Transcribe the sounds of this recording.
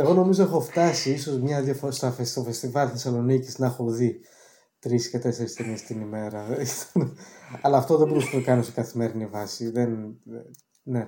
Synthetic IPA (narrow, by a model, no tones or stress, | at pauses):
eɣo̞no̞mizo̞exo̞ft̪ɐsiiso̞zmɲɐðiɐfost̪ɐfest̪ofe̞st̪ivɐlθe̞sɐlo̞niciznɐxoði | t̪ɾiscet̪e̞se̞ɾist̪enest̪inime̞ɾɐinɐlɐːft̪o̞ðebo̞ɾusenɐkɐnosekɐθime̞ɾinivɐsiðen | ne̞